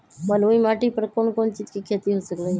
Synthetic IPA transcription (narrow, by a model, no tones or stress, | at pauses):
məloimaːʈipəɾkoːnkoːnt͡ʃiːd͡ʒkikʰeːt̪iɦosəklə